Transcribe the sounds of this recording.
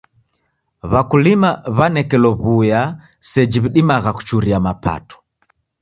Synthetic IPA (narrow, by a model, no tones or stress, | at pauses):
βakulimaβanɛkɛlɔβuja | sɛd͡ʒiβiɗimaɣaku̥t͡ʃuɾiamapa̰tɔ̥